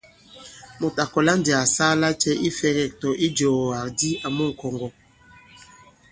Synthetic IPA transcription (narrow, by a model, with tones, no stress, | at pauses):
mo˨ta˨kɔ˨la˦ndi˨a˨saː˦la˦t͡ʃɛ˦ʔi˦fɛ˨kɛ˨k̚tɔ˨ʔi˦d͡ʒɔ˨a˨ɾdi˦a˨mɔ˦ŋ̩˨kɔ˨ŋɡɔ˨